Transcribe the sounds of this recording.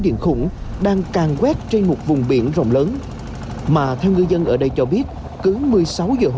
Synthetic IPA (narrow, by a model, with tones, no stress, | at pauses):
ɗḭ˧˨ənxʊ̰˧˩ŋ͡mɗaː˧ŋkaː˨˩ŋkwɛ˦˥t̚t͡ɕe˧nmo˨˩t̚vʊ˨˩ŋ͡mɓḭ˧˩ənzə̰˧˨wŋ͡mləː˨˦n | maː˨˩t̪ʰɛ˧wŋɨ˧jzə˧nʔəː˧˩ɗə˧jt͡ɕɔ˧ɓi˦˥ət̚ | kɨ˨˦mɨ˨˩əjsa˨˦wzəː˨˩ɦ